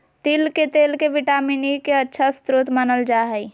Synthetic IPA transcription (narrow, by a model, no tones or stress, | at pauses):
t̪iːlket̪eːlkeʋɪʈaːminikeɐtːʃʰast̪ɾuːt̪mənəld͡ʒaːɦɛi